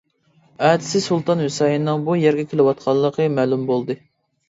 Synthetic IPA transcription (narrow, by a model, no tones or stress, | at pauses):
æːd̪ɪ̥sɪsulˠt̪ɑnwusɑjinɨŋbujɛɾɡʲɛkʲʰelɪwɑt̪̚qʰɑlˠːəqʰəmæːlumbolˠd̪ɨ